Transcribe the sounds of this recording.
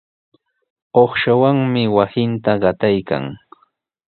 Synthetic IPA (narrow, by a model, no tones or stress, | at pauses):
oχʃawaŋmɪwasɪnt̪aɢɑt̪ajka̰ŋ